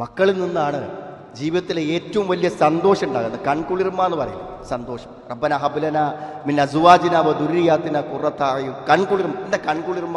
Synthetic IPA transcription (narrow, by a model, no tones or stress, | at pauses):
mɐkːɐɭininːaːɳɨ | d͡ʑiːʋidɐt̪ːileeːtːɐʋumʋɐlijɐsɐnd̪o̞ːɕɐmuɳɖa̰ːɣunːɐðɨkɐɳkuɭirmːaːnːɨpɐrɐ̰jṵ | sɐnd̪o̞ːɕɐmrɐbːɐnɐɦɐbulɐnaminɐzuʋaːd͡ʑinaːʋɐd̪uɾijaːt̪ːinɐkurɐt̪ːaːjukɐɳkuɭirmɐendekɐɳkuɭirmːa